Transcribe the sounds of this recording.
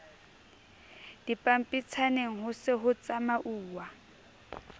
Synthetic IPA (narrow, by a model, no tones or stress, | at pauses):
d̥ipʼam̩pʼit͡sʰaneŋ̩ɦʊsɪɦʊt͡sʼamaʔuːwa